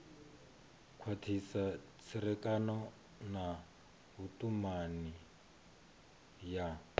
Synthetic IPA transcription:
kʰwatʰisa | t͡sʰiɾɛkʼanɔ | na | ɦutʼumani | ja

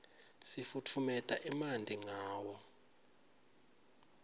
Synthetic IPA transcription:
sifutʰumɛtʼaʔimandʱiŋaːwɔ

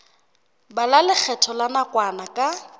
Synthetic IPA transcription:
balalɪk͡xʰɛtʰɔlanakʼwanakʼa

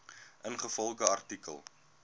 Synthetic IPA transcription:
ʔənχəfɔlˠχəɐrtikə̰lˠ

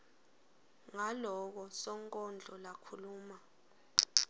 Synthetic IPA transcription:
ŋalɔk̬ɔsɔŋkʼɔnd͡ɮʱɔlakʰuluːma

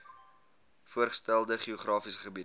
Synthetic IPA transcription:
fuərχə̥stælˠdəχioχrɑːfisə̥χəbid

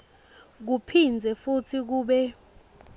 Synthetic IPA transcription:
k̬upʰind͡zʱɛfutʰik̬uːɓɛ

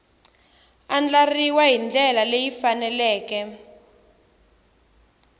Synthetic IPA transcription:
and͡ɮariwaɦind͡ɮɛlalejifanɛlɛːkɛ

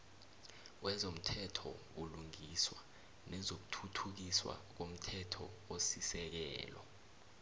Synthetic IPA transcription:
wɛzom̩tʰɛtʰɔ̰ | uluŋiswa | nɛzok̬u̥tʰutʰuk̬iswa̰k̬om̩tʰɛtʰɔ̰osisɛk̬ɛ̰ːlɔ

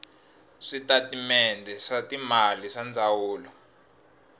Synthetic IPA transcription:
ʂitatimɛndʱɛʂatimaliʂand͡zʱawuːlɔ

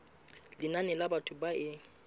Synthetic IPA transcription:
lɪnanɛlabatʰʊbaɪ

